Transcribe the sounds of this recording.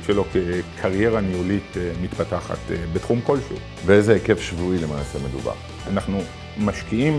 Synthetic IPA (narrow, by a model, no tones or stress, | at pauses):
ʃelo̞kekʰaʁje̞ʁaniulitmitpataχa̰tbetχumko̞lʃeu | beezeekefʃvuilemaːseme̞dṵba̰ʁ | anaχnu | maʃkiim